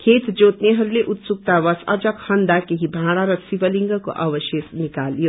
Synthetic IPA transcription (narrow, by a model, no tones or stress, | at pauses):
kʰet̪d͡zot̪neɦʌɾuleʔut̪suk̚t̪abʌsʌ̰d͡zʌkhʌnd̪akeɦibʱãɽ̃aɾʌsibʌliŋɡʌko̰ʔʌbʌsjesnikalijo